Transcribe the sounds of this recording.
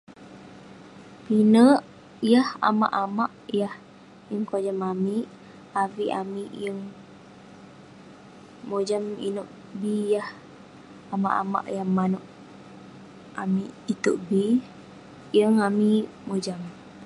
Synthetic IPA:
pinəʔ | jaha̰ma̰ʔamaʔjah | jəŋkod͡ʒamamiʔ | aviʔamiʔjəŋ | mod͡ʒamḭnuʔ | bijah | ama̰ʔa̰ma̰ʔjaŋmanoʔ | amiʔːt̪uʔbi | jəŋamimod͡ʒam

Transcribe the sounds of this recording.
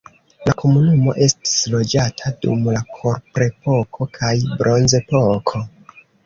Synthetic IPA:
lakʰo̞munumo̞̰ʔe̞sti̥slo̞d͡ʒatʰadṵmlakʰo̞ɾpɾe̞po̞kʰo̞kʰajbɾʔo̞nze̞pokʰo̞

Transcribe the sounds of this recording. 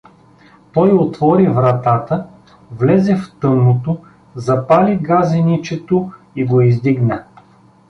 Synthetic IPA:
t̪ɔjot̪vɔɾivɾɐt̪at̪ə | vlɛzɛft̪ɤnːot̪o | zɐpaliɡazɛnit͡ʃɛt̪o | iɡoizd̪iɡnə

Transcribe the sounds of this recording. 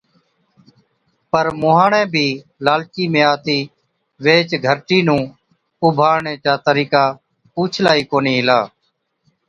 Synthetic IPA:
pəɾmʊːɦãːɳɛ̃ːbʱiː | laːlkiːmẽːaːt̪iː | ʋeːt͡ʃɡʱəɾʈiːnũː | ʊbʱaːɾɳẽːt͡ʃaːt̪əɾiːkaː | puːt͡ʃʰlaːiːkoːniːɦɪlaː

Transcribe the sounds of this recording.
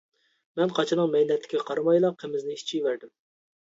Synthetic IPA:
mɛnqʰɑt͡ʃʰɨnɨŋmɛjnɛt̪ʰːɪ̥kʲʰɛqʰɑɾɨmɑjlˠɑqʰːemɪznɪit͡ʃʰijvæɾd̪ɪm

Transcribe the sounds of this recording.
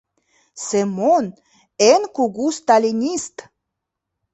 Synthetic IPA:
semon | enkuɣust̪alʲinʲist̪

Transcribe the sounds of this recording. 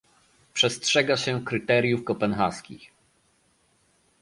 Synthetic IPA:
pʂɛstʂɛɡaɕɛkɾɘt̪ɛɾʲjufkɔpɛnxa̰skʲḭx

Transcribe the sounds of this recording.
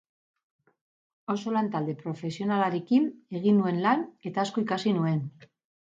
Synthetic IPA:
o̞so̞lant̪ald̪e̞pɾo̞fe̞sio̞nalaɾekine̞ɣ̞inːue̞nlane̞t̪aeskoikasinue̞n

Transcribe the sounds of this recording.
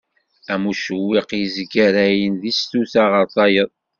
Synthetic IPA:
æmuʃəwːiqjizɡæɾæjənðist̪uθaʁəɾˤθˤɑjəðˤ

